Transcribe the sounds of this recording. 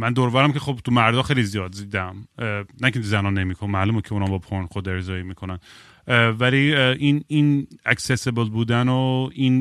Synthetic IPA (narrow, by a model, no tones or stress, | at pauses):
mænd̪oɾovæɾæmkʲʰexobt̪ʰumæɾd̪ɒːxejlizijɒːd̪ziːd̪æmnækʰet̪uzænɒːnːemiːkʰonmæːlumekʰeunɒmbɒpʰonxod̪eɾzɒːjimiːkʰonæn | væliʔininæksesebelbuːd̪ænoin